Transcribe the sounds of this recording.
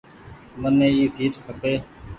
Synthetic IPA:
mənːẽːiːsiːʈkʰəpeː

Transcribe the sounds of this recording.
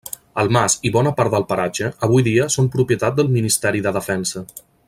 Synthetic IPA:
əlˠmasiβɔnəpaɾt̪̚d̪əlˠpəɾad͡ʒəəβ̞ujðiəsompɾupjət̪at̪̚d̪əlˠminist̪ɛɾiðəðəfɛnsə

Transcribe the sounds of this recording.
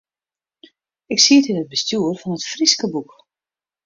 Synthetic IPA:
ɪksiətɪnəd̚bəstjuərfɔnətfriskəbuk

